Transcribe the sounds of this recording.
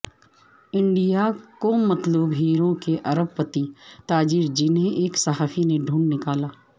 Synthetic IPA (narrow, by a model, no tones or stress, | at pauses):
ɪ̃ɳɖijakomɐt̪luːbɦiːɾõkeʔɐɾəb̚pət̪it̪aːd͡ʒiːɾd͡ʒɪnɦẽʔeːksɐɦaːfʰineɖʱũːɳɖnɪkaːlaː